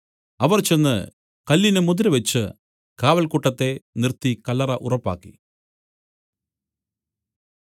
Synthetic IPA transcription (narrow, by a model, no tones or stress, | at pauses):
ɐʋɐrt͡ɕe̞nːɨ̰ | kɐlːinɨmud̪iɾɨʋet͡ɕːɨ | kaːʋɐlkuʈːɐt̪ːe̞nirt̪ːikɐlːɐrɐʔurɐpːa̰ːkːḭ